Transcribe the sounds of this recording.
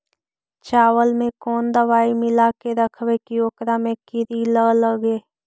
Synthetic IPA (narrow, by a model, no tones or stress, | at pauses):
t͡ʃaːwəlmẽkɔːnd̪əʋaːimɪlakeɾəkʰwekioːkɾamẽkɪɾilələɡeː